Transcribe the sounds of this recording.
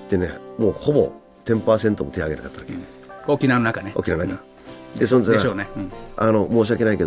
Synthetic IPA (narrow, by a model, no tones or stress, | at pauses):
t̪ːenemo̞ːho̞bo̞̰ | t̪ẽ̞mpaːsẽ̞nt̪omot̪ʰeaɡeakat̪ːaɾaken | okʲinanonakaneo̰kʲinanonaka | d̪esonzaoneano̞moːɕ̬iake̞naike̞d̪